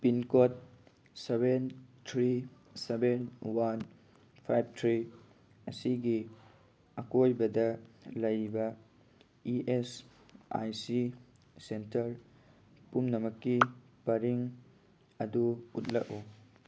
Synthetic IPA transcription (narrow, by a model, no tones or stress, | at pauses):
pinkot̚ | sebentʰɾi | sebenwan | pʰajb̚tʰɾi | ɐsiɡi | ɐkojbɐdɐlɐjbɐ | iʔes | a̰jsi | sentɐɾ | pumnɐmɐkːi | pɐɾiŋ | ɐduut̚lɐʔu